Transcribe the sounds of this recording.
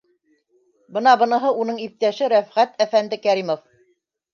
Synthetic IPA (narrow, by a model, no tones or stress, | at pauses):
bɤn̪ɑbɤ̆nɤ̆ɦɤʔunɤɴip̚t̪æʃɘɾæfʁæt̪æfænd̪ɘkæɾimof